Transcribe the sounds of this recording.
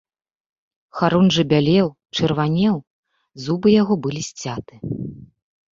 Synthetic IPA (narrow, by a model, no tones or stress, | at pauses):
xaɾunʐɨbʲalʲɛw | t͡ʂɨrvanʲɛw | zubɨjaɣɔbɨlʲisʲt͡sʲat̪ɨ